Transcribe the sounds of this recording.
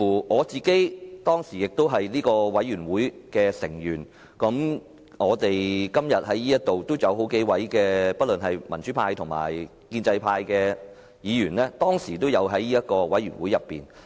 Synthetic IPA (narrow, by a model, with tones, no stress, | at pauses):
uː˨˩ŋɔː˨˧t͡siː˨ke˨˥jt̪ɔː˥ŋsiː˨˩jɪ˨˩k̚t̪o˥wɦɐ˨jliː˥kɔː˧wɐ˨˥jɥyː˨˩nwuː˨˥jkɛː˧sɪ̰˨˩ŋjyː˨˩n | kɐ˨˥m | ŋɔː˨˧t̪e˨jkɐ˥mjɐ˨t̚hɐ˨˥jiː˥jɐ˥t̚t̪o˨wt̪o˥wjɐ˨˧wɦo˨˥wke˨˥jwɐ˨˥jkɛː˧pɐ˥t̚lɵ˨nɦɐ˨jmɐ˨˩nt͡ʃy˨˥pʰaː˧jt̪ʰʊ˨˩ŋma̰ː˨˩j | kiː˧nt͡sɐ˧jpʰaː˧jkɛː˧ | jiː˨˧jyː˨˩nlɛː˥t̪ɔː˥ŋsiː˨˩t̪o˥wjɐ˨˧wɦɐ˨˥jliː˥jɐ˥t̚kɔː˧wɐ˨˥jyː˨˩nwuː˨˥jɐ˨pːḭː˨˩n